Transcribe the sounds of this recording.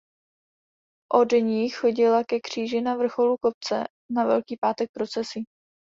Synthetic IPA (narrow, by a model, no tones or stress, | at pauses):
ʔo̞dɲiːxo̞ɟɪlakɛkr̝̥iːʒɪnavr̩xo̞luko̞p̚t͡sɛ̰ | navɛ̰lkiːpaːt̪ɛk̚pɾo̞t͡sɛsi